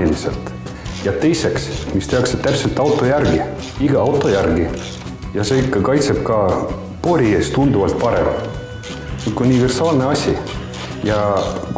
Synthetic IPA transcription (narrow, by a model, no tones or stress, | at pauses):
ilise̞̰lt̪ˑ | jɑt̪e̞jse̞ksmist̪e̞ɑkse̥t̪æpse̞lt̪ːˑɑwt̪ˑo̞jærɡi | iɡ̥ɑɑwt̪ˑo̞jærɡi | jɑse̞ːikˑːɑkɑjt̪se̞b̥̚kɑ | po̞ɾʲiest̪und̪uvɑlt̪̚pɑɾḛm | nyt̪unʲive̞rsɑːlne̞ɑsʲi | jɑ